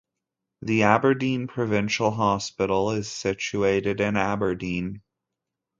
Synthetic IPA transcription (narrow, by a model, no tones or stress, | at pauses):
ðiæbə˞dĩnpʰɹ̥ɨvɪ̃nʃl̩ˠɦɑspɪɾl̩ˠɪz̥sɪt͡ʃueɪɾɨɾɪ̃næbə˞dĩn